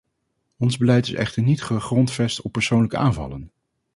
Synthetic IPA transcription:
ɔnzbəlɛjtɪsɛ̰χtəɹnitχəχrɔntfɛstɔpːəɹsownləkəʔaːnvɑ̰lən

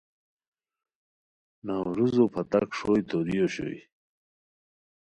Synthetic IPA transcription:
nawɾuzopʰɐt̪akʂojt̪oɾijoɕo̰ḭ

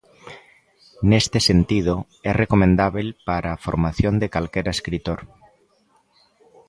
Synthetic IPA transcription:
nest̪esent̪ið̞o | ɛrekomẽnd̪aβelpaɾafoɾmaθjond̪ekalkeɾaeskɾit̪oɾ

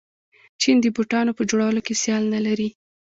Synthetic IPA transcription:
t͡ʃind̪əbuʈɑnopəd͡ʒoɽawəlokesjɑlnalaɾi

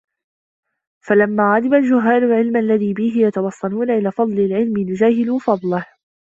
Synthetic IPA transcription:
falamːaːɣad̪ɪbald͡ʒʊɦːaːnʊlʕɪlmʔalːaðiːbɪɦɪjat̪ɑwɑsˤːɑluːnaʔɪlaːfɑd̪ˤlɪlʕɪlmɪjʊd͡ʒaːhɪluːfɑd̪ˤlɪh

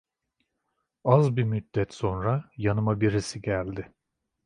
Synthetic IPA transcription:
azbimyd̪̥ːɛt̪so̞nɾajanɯmabiɾisiɟælʲd̪ɪ

